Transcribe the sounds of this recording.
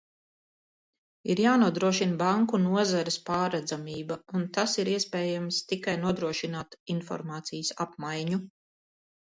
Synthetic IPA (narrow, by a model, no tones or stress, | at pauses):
iɾjaːnuɔd̪ɾuɔʃinbaŋkunuɔzaɾɪspaːɾad̪zamiːbaunt̪asiɾiɛspɛːjamst̪ikajnuɔd̪ɾuɔʃinaːt̪infɔ̰ɾmaːt̪sijəsa̰pmajɲu